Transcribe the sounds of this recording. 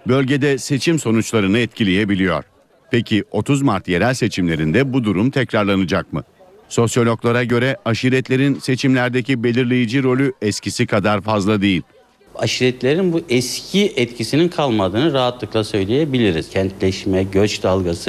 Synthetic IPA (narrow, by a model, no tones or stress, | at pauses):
bø̞lʲɟe̞d̪ɛse̞t͡ʃʰimso̞nut͡ʃlˠaɾɯnɯɛt̪cʰilʲejebilʲijo̰ɾ̥ | pʰecʰio̞t̪ʰuzmaɾt̪je̞ɾælʲse̞t͡ʃʰimlʲe̞ɾind̪ɛbud̪uɾumt̪ʰɛcɾaɾlˠanɯd͡ʒak̚mɯ̰ | so̞sjo̞lʲo̞klˠaɾaɟø̞ɾɛʔaʃiɾɛt̪lʲe̞ɾinse̞t͡ʃʰimlʲæɾd̪ecibe̞lʲiɾlʲe̞jid͡ʒiɾo̞lʲyɛscisikʰad̪aɾfazlˠad̪e̞jilʲ | a̰ʃiɾɛt̪lʲeɾinbuʔɛscʰiɛt̪cʰisininkʰalˠmad̪ɯːnɯɾaɦat̪lˠɯklˠasø̞jlʲe̞jebilʲiɾiz̥cʰɛnt̪lʲɛʃmɛɟøt͡ʃd̪alˠɡasɯ